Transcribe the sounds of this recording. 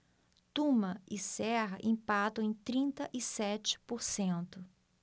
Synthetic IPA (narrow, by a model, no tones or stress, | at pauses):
t̪ũmɐɪsɛɦɐʔĩpad̪ɐ̃ẽj̃t̪ɾĩnt̪ɐʔɪsɛt͡ʃɪ̥poɾsẽnt̪ʊ